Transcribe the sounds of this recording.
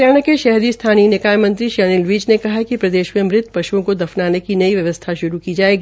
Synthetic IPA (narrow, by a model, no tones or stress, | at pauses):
aːɽ̃akeʃɐɦd̪ist̪ʰaːninɪkaːjmɐ̃nt̪ɾiʃɛːnɪlʋiːd͡ʒnekɐɦakipɾɐd̪eːʃmẽmɾɪt̪ʰpɐʃuõkod̪ɐfnaːnekinɐiʋjɐʋəst̪ʰaʃʊɾukid͡ʒaːeːɡi